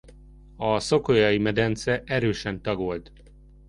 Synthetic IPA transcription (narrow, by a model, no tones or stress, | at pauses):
ɒso̞kojɒjimɛd̪ɛnt̪sɛʔɛɾøːʃɛnt̪ɒɡolt̪